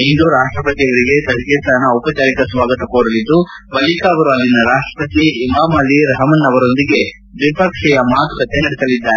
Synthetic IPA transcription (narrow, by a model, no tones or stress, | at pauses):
ind̪uɾaːʂʈɾɐpɐt̪iɐʋɐɾiɡe̞t̪ɐsɡeːt̪aːnɐupɐt͡ʃaːɾikɐsʋaːɡɐt̪ɐkoːɽɐlid̪ːu | bɐlikaɐʋɐɾuɐlːinɐɾaːʂʈɾɐpɐt̪iːmaːmɐlːiɾɐɦɐmɐnːɐʋɐɾo̞nd̪iɡe̞ | d̪ipɐkʂɛjɐmaːt̪ukɐt̪enɐɽisɐlid̪ːaːɾ